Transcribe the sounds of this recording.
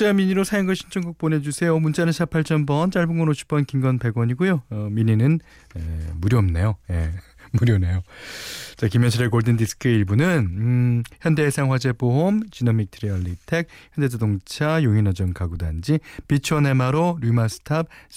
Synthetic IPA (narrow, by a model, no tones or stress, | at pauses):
amiɲiɾosʰajʌŋɡɯɕʰint͡ɕʰʌŋɡuk̚p͈one̞d͡ʑusʰe̞jomunt͡ɕʰanɯnɕʰapʰaɭt͡ɕ͈ʌnbʌnt͡ɕaɭbɯŋʌnoɕʰi̥p͈ʌnkiŋɡʌnpe̞ɡwʌɲiɡujoʌmiɲinɯn | emuɾjʌmne̞joje | muɾjʌne̞jo | t͡ɕakimjʌnɕʰiɾekoɭdɯndisɯ̥kʰɯeiɭbunɯn | çjʌnde̞ːsʰaŋhwad͡ʑe̞poɦomt͡ɕinʌmik̚tʰɯɾiʌɭːitʰe̞k̚çjʌnde̞dodoŋt͡ɕʰajoŋinʌd͡ʑʌŋkaɡuda̰nd͡ʑipit͡ɕʰʌnemaɾoɾumasʰɯ̥tʰap̚